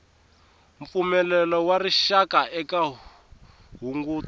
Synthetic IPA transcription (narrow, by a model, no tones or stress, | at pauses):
ɱp̪fumɛlɛlɔwariʃakaʔɛka | ɦuŋɡuː